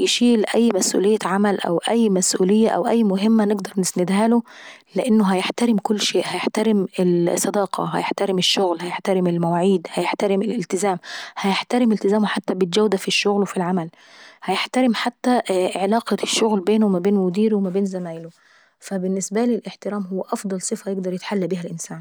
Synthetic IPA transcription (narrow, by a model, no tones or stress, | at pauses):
jɪʃiːlʔæjːmæsʔṵːlejːæʕamælʔæ̰wʔæjːmæsʔṵːlɪjːæʔæ̰wʔæjːmʊɦɪmːænɪɡd̪ɑɾˤnɪsnɪd̪hæːloleʔenːoɦæjeħt̪æɾɪmkʊlːʃeːʔhæjeħt̪æɾɪmelsˤːɑd̪ɑːqʰɑ̰ɦæ̰jeħt̪æɾɪmeʃːoɣlhæjeħt̪æɾɪmelmæwaːʕiːd̪hæjeħt̪æɾɪmelelt̪ɪzæːmhæjeħt̪æɾɪmelt̪ɪzæːmħat̪ːæbɪd͡ʒæwd̪æfiʃːoɣlwefilʕamæl | hæjeħt̪æɾɪmħat̪ːæʕelɑːqɑʃːoɣlbeːnomæbeːnmʊd̪iːɾwmæbeːnzæmæːʔɪlo | fæbɪnːɪsbælilʔeħt̪ɪɾæːmɦowːæʔɑfd̪ˤɑlsˤɨfæjeɡ̚d̪ɑɾˤjet̪ħalːæbiːhælʔɪnsæːn